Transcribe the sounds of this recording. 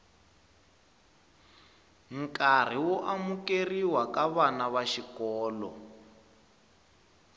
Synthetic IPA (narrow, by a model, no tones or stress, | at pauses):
ŋ̩kar̤iwɔʔamukeriwakaβanaβaʃikɔːlɔ̰